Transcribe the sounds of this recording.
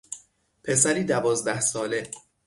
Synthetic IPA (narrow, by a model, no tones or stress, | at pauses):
pʰe̞s̬æɾiːd̪ævɒːzd̪æhsɒːle̞